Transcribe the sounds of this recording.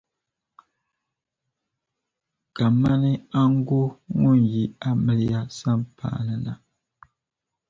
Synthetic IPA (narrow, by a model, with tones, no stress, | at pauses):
ka˨ma˦nɨ˦a˦ŋ˦ɡo˦ŋu˦˨nji˨a˦mɨ˨lɨ˦ja˦sa˦mpʰa̰ː˦˨nɨ˨na̰˨